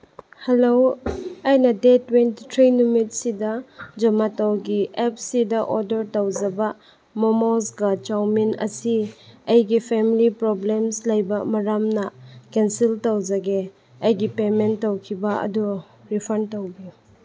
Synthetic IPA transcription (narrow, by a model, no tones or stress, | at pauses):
helowɐjnɐdetwenti̥tʰɾinumit̚sidɐd͡ʒɐmatawɡiʔep̚sidɐʔoɾdeɾtawd͡ʒɐbɐ | mɔmosɡɐt͡ʃawminɐ̰siɐjɡipʰemilipɾɔblemslɐjbɐmɐɾamnɐkensiltɐwd͡ʒɐɡe | ɐjɡipementːowkʰibɐɐ̰du | ɾipʰɐɾntowbi